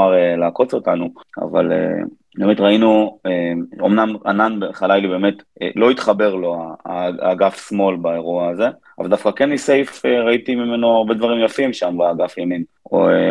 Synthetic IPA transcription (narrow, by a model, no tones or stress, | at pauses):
aʁeleako̞t͡so̞tanua̰valḛ | be̞ːmetʁainueomnamʔa̰nanbeχalajlibe̞ːme̞tːlo̞it̪χabe̞ʁlo̞a̰a̰ɡafsmo̞lbaeʁuaːze̞ | avald̪afkakenisejfeʁait̪imime̞no̞aʁbed̪vaʁimjafimʃamveaːɡafjamim | oe